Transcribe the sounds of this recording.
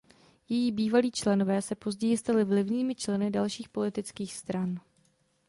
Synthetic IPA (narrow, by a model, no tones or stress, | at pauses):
jɛjiːbiːvaliːt͡ʃlɛno̞vɛːsɛpo̞zɟɛjɪst̪alɪvlɪvɲiːmɪt͡ʃlɛnɪdalʃiːxpo̞lɪt̪ɪt͡skiːxst̪ɾan